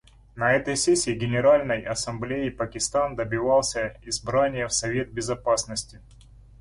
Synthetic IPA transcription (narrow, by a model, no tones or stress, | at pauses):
nɐɛt̪əjsʲesʲɪːɡʲɪnʲɪɾalʲnəjɐsɐmblʲejɪpəkʲɪst̪and̪əbʲɪvalˠsʲəɪzbɾanʲɪjəfsɐvʲe̞t̪̚bʲɪzɐpasnəsʲtʲɪ